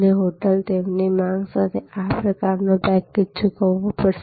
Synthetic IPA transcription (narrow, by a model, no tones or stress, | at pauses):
neɦoʈəlt̪emnimãŋɡsat̪ʰeapɾəkaɾnõbɛ̃kːit͡ʃʰukəʋʋːopəɾʃ